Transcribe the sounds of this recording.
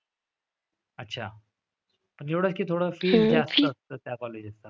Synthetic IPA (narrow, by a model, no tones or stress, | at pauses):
ətːɕʰa | pəɳjewɽət͡skiːt̪ʰoɽəfiːld͡zast̪əːst̪əːt̪jakɔled͡ʑəst̪a